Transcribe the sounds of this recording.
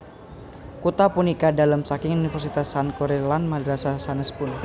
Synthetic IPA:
kut̪apunikadalamsakɪŋunifərsit̪asːankoɾelanmadɾasasanəspʊn

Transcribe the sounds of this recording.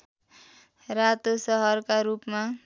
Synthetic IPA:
rat̪osʌɦʌrkaɾupma

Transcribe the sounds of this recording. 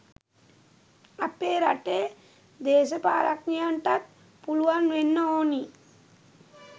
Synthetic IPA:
apeːɾaʈeː | d̪eːʃəpaːɾaknijaɳʈat̪̚ | puluʋanʋenːəoːni

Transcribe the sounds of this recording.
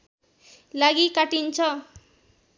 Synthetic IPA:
laɡikaʈint͡sʰʌ

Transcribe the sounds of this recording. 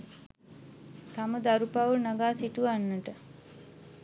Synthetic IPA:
t̪aməd̪aɾupaʋunaɡaːsiʈuʋanːəʈə

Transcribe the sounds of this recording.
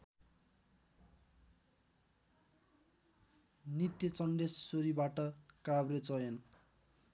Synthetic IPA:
nit̪jʌt͡sʌnɖesːoɾibaʈʌkabret͡sʌjʌn

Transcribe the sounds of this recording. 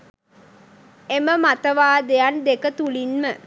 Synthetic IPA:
eməmat̪əʋaːd̪ejand̪ekət̪ulinmə

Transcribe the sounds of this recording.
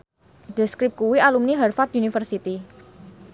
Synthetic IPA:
ɖ̥ɛ̤skɾɪp̚kuwialumniɦɛrfat̪̚unifərsit̪i

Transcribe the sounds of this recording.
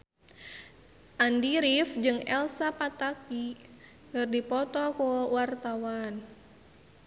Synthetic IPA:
ʔandiɾifd͡ʒɨŋɛlsapat̪aki | ŋɨrdipɔt̪ɔkɔwart̪awan

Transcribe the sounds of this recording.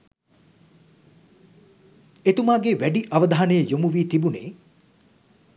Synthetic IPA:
et̪umaːɡeʋæɖiʔɐʋəd̪aɦanejəjomuʋiːt̪ibunḛː

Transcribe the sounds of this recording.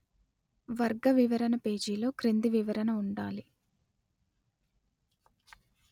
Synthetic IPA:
ʋɐɾɡɐʋiʋɐɾɐnɐpe̞ːd͡ʒiːlo̞ːkɾend̪iʋiʋɐɾɐnɐuɳɖaːli

